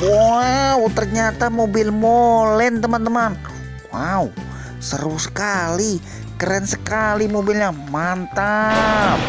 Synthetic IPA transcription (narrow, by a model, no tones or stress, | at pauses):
waut̪ərɲat̪amobilmolɛnt̪əmant̪əman | wau | səɾusə̥kali | kəɾɛnsəkalimobilɲamant̪ap̚